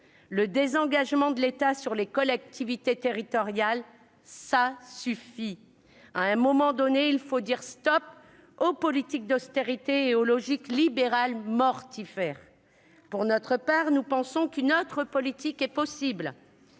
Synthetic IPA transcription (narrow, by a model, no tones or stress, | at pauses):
ləd̪ezɑ̃ɡaʒmɑ̃d̪əlet̪asyʁlekɔlɛk̚t̪ʰivit̪et̪eʁit̪ɔʁjal | sasyfi | aɛ̃mɔmɑ̃d̪ɔneilfod̪iʁst̪ɔp | opɔlit̪ik̚d̪ɔst̪eʁit̪eolɔʒiklibeʁalmɔʁt̪ifɛːʁ | puʁnɔt̪χəpaʁnupɑ̃sɔ̃kynot̪χəpɔlit̪ikɛpɔsibl